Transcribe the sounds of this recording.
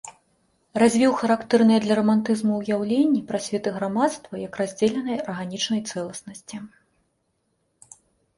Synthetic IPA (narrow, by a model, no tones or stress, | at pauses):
razʲvʲiwxɐɾakt̪ɛrnɨjɐd̪lʲɐɾɐmant̪ɨzmuwjawlʲenʲːipɾasʲvʲɛt̪ɨɣɾamat̪st̪vɐjɐkrazʲd͡zʲeɛlʲɛnɐjɐrɣanʲit͡ʂnɐjt̪sɛlˠɐsnɐsʲt͡sʲi